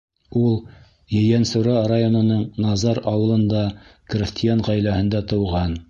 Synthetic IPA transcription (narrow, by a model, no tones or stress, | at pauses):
ulˠ | jɘ̆jænsŭɾɑrajonŏnɤɴnɑzɑɾɑwɤ̆lˠɤ̆nd̪ɑkrʲɪsʲt̪ʲɪjanʁæjlæhɘ̆nd̪æt̪ɤ̆wʁɑn